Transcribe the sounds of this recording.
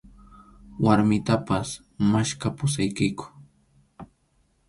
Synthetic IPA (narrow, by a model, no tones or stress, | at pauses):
waɾmɪt̪apas | maʃkapʊsajkajkʊ̥